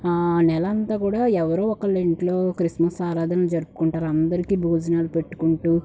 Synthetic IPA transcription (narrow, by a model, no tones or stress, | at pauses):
anɛlɐɐnt̪aːkuːɽaːɛʋɐɾoːɔkɐleɳʈloːkɾismɐsaːɾaːd̪ʱɐnɐd͡ʒɐɾupu̥kuɳʈaːɾɐnd̪ɐɾikiːbʱuːd͡ʒɐnaːlupe̞ʈːu̥kuɳʈuː